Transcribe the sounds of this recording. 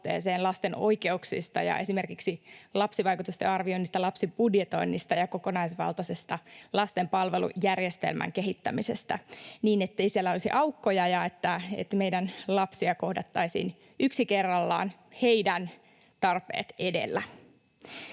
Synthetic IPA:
t̪ḛːseːnlɑst̪eno̞̰jke̞uksḭst̪ɑ̰jɑ̰ʔe̞sime̞rkiksilɑpsiʋɑjkut̪ust̪ḛɑrʋio̞inːist̪ɑlɑpsipudjet̪o̞̰inːist̪ɑjɑko̞konɑisʋɑ̰lt̪ɑsest̪ɑlɑst̪e̞mpɑlʋe̞lṵjærjest̪ḛlmʔæ̰ŋkeɦit̪ːæmisest̪æniːnet̪ːe̞jsielːæolisiʔɑukːojɑjɑet̪ːæḛt̪me̞jdænlɑpsiɑko̞hdɑt̪ːɑisḭːn | yksikerːɑlːɑ̰ːn | heidæn | t̪ɑrpe̞̰ːt̪ede̞̰lːæ

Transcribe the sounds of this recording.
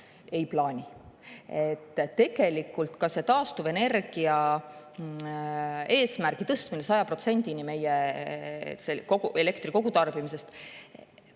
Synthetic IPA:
e̞jplɑːnʲi | e̞t̪ːe̞ɡ̥e̞likːˑult̪kɑse̞t̪ɑːst̪uve̞ne̞rɡ̥iɑ | e̞ːsmærɡ̥it̪ɤst̪minesɑjɑpro̞t̪se̞nʲd̪inime̞je | sekoɡue̞le̞kt̪riko̞ɡ̥ut̪ɑrb̥imise̞st̪

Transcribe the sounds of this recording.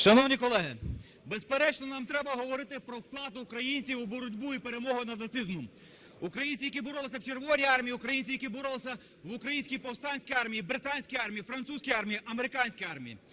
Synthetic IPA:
ʃɐnɔwnʲikɔlˠɛɦɪ | bespeɾɛt͡ʃnɔnɑmt̪ɾɛbɐɦɔʋɔɾɪt̪ɪpɾɔwklˠɑd̪ʊːkɾɐjinʲt͡sʲiwubɔɾʊdʲbuipeɾemɔɦʊnɐnɐt̪sɪzmʊ | ʊkɾɐjinʲt͡sʲijɐkʲibɔɾɔlˠɪsʲɐwt͡ʃerʋɔʋnʲijɑrmʲijiʊkɾɐjinʲt͡sʲijɐkʲibɔɾɔlˠɪsʲɐ | ʋʊkɾɐjinʲsʲkʲijpɔwst̪ɑnʲsʲkʲijɑrmʲijibɾɪt̪ɑnʲsʲkijɑrmʲijifɾɐnt̪suzʲkijɑrmʲijiʔɐmeɾɪkɑnʲsʲkijɑrmʲijḭ

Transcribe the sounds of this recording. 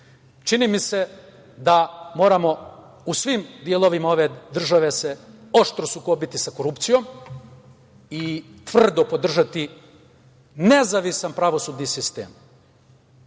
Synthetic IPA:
t͡ʃinimise̞ | d̪amo̞ːɾamo̞ | usʋimd̪ielˠoʋimao̞ʋe̞d̪r̩ʒaʋe̞seoʃt̪ɾo̞suko̞bit̪isako̞ɾupt̪sijo̞m | it̪ʋr̩d̪opod̪r̩ʒat̪i | ne̞zaʋisanpɾaʋo̞sud̪nisist̪ḛːm

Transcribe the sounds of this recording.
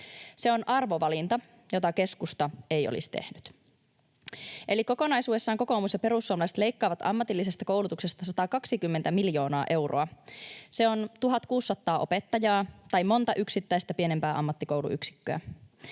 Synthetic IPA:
se̞o̞nʔɑrʋoʋɑlint̪ɑ | jo̞t̪ɑke̞skust̪ɑe̞jo̰lḭst̪e̞̰hnyt̪ | ʔe̞likoko̞nɑjsuːe̞sːɑːŋko̞ko̞umusjɑpe̞ɾusːuomlɑse̥t̪le̞jkːɑːʋɑt̪ɑ̰mːɑt̪ilːise̞st̪ɑko̞wlut̪ukse̞st̪ɑsɑt̪ɑkɑksikymːent̪æmiljo̞ːnɑːʔe̞wro̞ɑse̞ont̪uɦɑt̪kuːsːɑt̪ːɑːʔo̞pet̪ːɑjɑːt̪ɑjmo̞nt̪ɑʔyksit̪ːæjst̪æpie̞nempæːʔɑmːɑt̪ːikowlṵʔy̰ksi̥kːøæ̰

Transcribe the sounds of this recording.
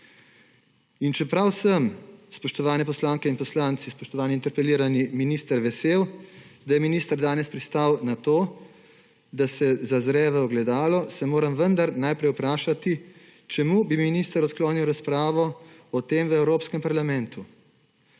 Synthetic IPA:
int͡ʃɛpɾawsəmspɔʃt̪ɔʋaːnɛpɔslaːŋkɛinpɔslaːnt̪sispɔʃt̪ɔʋaːnint̪ɛɾpɛliːɾaniminiːst̪əɾʋɛsewd̪ajɛminiːst̪əɾd̪aːnɛspɾist̪awnat̪oː | d̪asɛzazɾɛːʋɛɔɡlɛd̪aːlɔsɛmoːɾamʋənd̪aɾnajpɾɛjupɾaːʃat̪i | t͡ʃɛmuːbiminist̪əɾɔt̪kloːniwɾaspɾaːʋɔ | ɔt̪eːmʋəɛwɾoːpskɛmpaɾlamɛnt̪u

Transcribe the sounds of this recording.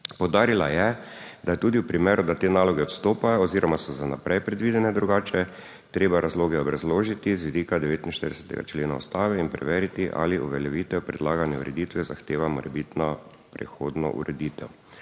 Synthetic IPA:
pɔwd̪aːɾilajɛd̪ajɛt̪uːd̪iwpɾimeːɾʊd̪at̪eːnaːlɔɡɛɔt̪st̪oːpajɔːziːɾɔmasɔzanapɾʔɛjpɾɛd̪ʋiːd̪ɛnɛd̪ɾuɡaːt͡ʃɛ | t̪ɾeːbaɾazloːɡɛɔbɾazloːʒit̪izʋid̪iːkad̪ɛʋeːt̪inʃt̪əɾd̪ɛsɛ̥t̪ɛ̰ɡa̰t͡ʃleːna̰ṵst̪aːʋɛinpɾɛ̰ʋeːɾit̪iʔa̰liʔṵʋɛljɛʋiːt̪ɛpɾɛd̪laːɡanjɛuɾɛd̪iːt̪ʋɛzaxt̪eːʋamɔɾɛbit̪nɔ | pɾɛ̰xoːd̪nɔ̰ʔṵɾɛd̪it̪ɛw

